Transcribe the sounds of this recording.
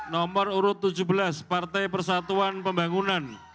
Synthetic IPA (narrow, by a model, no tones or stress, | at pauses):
nɔməruɾʊt̪ːud͡ʒubəlaspart̪ajpərsat̪uanpəmbaŋunan